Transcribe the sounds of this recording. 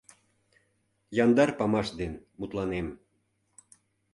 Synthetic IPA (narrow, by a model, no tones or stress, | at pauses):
jɑnd̪ɑrpɑmɑʃd̪enmut̪lɑnem